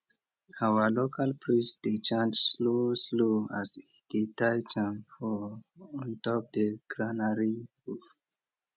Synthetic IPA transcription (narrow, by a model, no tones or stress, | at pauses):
awəlokʰalpɹĩsdet͡ʃãnd͡ʒslosloazid̥itajt͡ʃãmfɔɔ̃ntɔp̚dəɡ̥ɹanaɹihuf